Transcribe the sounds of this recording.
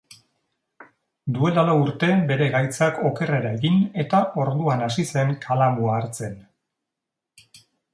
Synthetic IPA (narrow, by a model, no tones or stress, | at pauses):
d̪ue̞lalauɾt̪e̞be̞ɾe̞ɣajt͡sako̞ke̞re̞ɾae̞ɣine̞t̪aʔo̞ɾðuanasise̞ŋkʰalamuaːɾt͡se̞n